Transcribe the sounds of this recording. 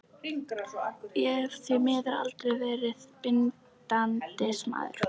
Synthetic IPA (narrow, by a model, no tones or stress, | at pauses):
jɛɾ̥θimɛːðaɾa̰lt̪ɾɛjvɛːɾɪðpɪn | t̪ant̪ɪsma̰ːðɪ̰ɾ̥